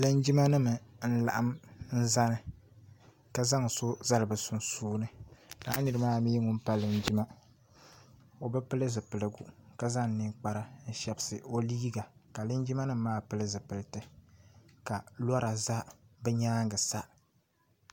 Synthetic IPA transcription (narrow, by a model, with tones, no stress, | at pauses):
lɨ˦nd͡ʒi˦ma˦nɨ˦mɨ˨n̩˦la̰˨ʔa˦mn̩˦za˦nɨ˨ | ka˦za˦ŋ˨so˦za˦lɨ˨bɨ˨sʊ˦n˦suː˦nɨ˦da̰ː˦nɨ˨ɾɨ˦maː˦miː˦ŋʊ˦m˦pa˦lɨ˨n˦d͡ʒi˦ma˦ | o˨bɨ˦pɨ˦lɨ˦zɨ˨pɨ˨lɨ˨ɡu˨ka˦za˦ŋ˨ni˦k͡pa˨˦ɾa˦n̩˦ʃɛ˨bɨ˨˦sɨ˨o˦liː˦ɡa˨ka˨lɨ˦nd͡ʒi˦ma˦nɨ˦m˦maː˦pɨ˦lɨ˦zɨ˨pɨ˨ltɨ˨ | ka˨la˦ɾa˨za˦bɛ˦ɲaː˦ŋɡɨ˨sa˦